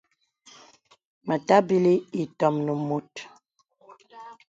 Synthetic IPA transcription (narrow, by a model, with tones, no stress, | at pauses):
mə˨ta˦bi˦li˦i˨tɔ˨mnə˨mo˨t